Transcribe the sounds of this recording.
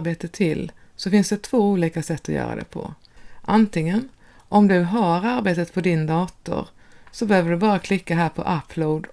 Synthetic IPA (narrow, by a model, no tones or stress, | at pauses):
beːt̪ət̪ʰɪl | sɔfɪnsd̪ɛt̪ʰv̥oːuːliːkasɛt̪ːɔjœ̰ːɾa̰d̪ɛ̰pʰɔ̰ | ʔant̪ɪŋən | ʔɔmd̪ɵɦaɾaɾbeːt̪ət̪pʰɔd̪ɪnd̪ɑːt̪ʊ̰ɾsɔbɛhøːvəɖɵbɑːɾakʰlɪkːaɦæːɾpʰɔ̰ʔapʰːloːd̪